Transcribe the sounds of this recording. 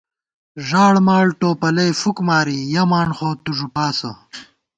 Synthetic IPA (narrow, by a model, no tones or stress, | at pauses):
ʐaːɽmaːɭʈoːpɐlɐjfukmaːɾijɐmaːɳχoːt̪uʐupaːsɐ̰